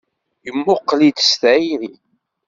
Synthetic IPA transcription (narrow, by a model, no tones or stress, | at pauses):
jəmːʊqːlid̪sθiði